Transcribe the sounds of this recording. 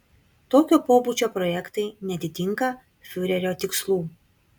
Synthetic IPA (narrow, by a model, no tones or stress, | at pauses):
t̪oːkʲoːpoːbuːt͡ʃʲoːpɾɔjɛkt̪ɐɪnʲɛt̪ʲɪt̪ʲɪŋkɐ | fʲʊɾʲɛɾʲoːt̪ʲɪkslˠuː